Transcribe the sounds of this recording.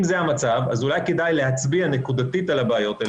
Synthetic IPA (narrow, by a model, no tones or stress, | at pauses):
mzehamat͡savazulajke̞dajle̞ɦat͡sbiane̞kud̪atitalabaːjo̞t̪a